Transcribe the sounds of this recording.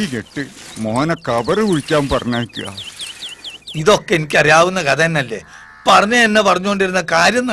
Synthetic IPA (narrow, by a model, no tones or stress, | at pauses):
ikeʈːɨmoɦɐnɐkɐbɐrɨkuɻikʲːaːmpɐrɐɲːaːikːɨɣa̰ː | iðo̞kːe̞enikʲːɐrijaːʋunːɐkɐðɐnːɐlːe̞̰ː | pɐrɐɲːɐenːɐpɐrɐɲːukoɳɖiɾunːɐkaːɾjɐnːɐ